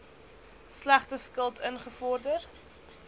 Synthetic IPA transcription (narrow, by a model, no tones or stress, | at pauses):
slæχtəskəlˠtʰənχəfɔrdər